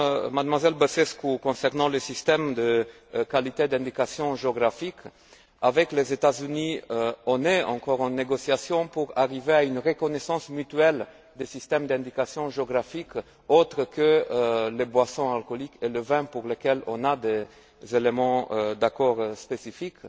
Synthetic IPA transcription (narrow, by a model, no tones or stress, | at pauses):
mad̪mwazɛlbəsɛskukɔ̃sɛʁnɑ̃ləsist̪ɛmd̪ə | kalit̪ed̪ɛ̃d̪ikasjɔ̃ʒeoɡʁafik | avɛklezet̪azyniɔ̃nɛɑ̰̃kɔʁɑ̃neɡosjasjɔ̃puʁa̰ʁiveaynʁəkɔnesɑ̃smyt̪ɥɛl | d̪esist̪ɛmd̪ɛ̃d̪ikasjɔ̃ʒeoɡʁafik | ot̪ʁəkəlebwasɔ̃alkolikeləvɛ̃puʁlekɛlɔ̰̃nad̪e | zelemɑ̃d̪akɔʁspesifik